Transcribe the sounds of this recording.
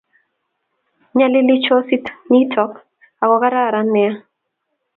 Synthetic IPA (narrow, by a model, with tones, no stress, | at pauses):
ɲa˦lɪ˦lɪ˦t͡ʃɔ˦si˦tni˦tʰɔ˦k | a˨wɔ˨ka˦ɾa˦˨ɾa˦nɛ˨a˦